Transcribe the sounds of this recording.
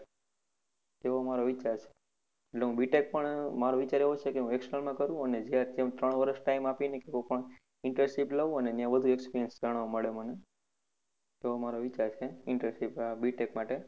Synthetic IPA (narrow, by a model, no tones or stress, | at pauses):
t̪eʋomaɾoʋit͡ʃaɾt͡ʃʰe̥ | eʈleɦũbiʈek̚pəɳmaɾoʋit͡ʃaɾeʋot͡ʃʰekeɦũeksəlmãkəɾũəned͡ʒjad͡ʒemt̪ɾəɳ̃ʋəɾəʃʈaimapinekekopəɳ | ɪɳʈəsiplaʋũəneənjãbəd̪ʱuekspiɾijənsd͡ʒaɽ̃ʋaməɭeməne | t̪eʋomaɾoʋit͡ʃaɾt͡ʃʰeɪɳʈəɾsipabiʈekmaʈe